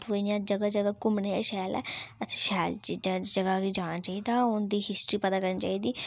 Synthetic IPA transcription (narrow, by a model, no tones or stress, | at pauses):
pijãːd͡ʒəɡad͡ʒəɡakʊmneːaːʃaːlɛ̰ːət̪ʰːʃaːld͡ʒɪdãːd͡ʒəɡaːɡid͡ʒaːɽ̃aːt͡ʃaːiːd̪aːʊnd̪iːɦɪsʈɾiːpəd̪aːkəɾnːt͡ʃa̰ːiːd̪iː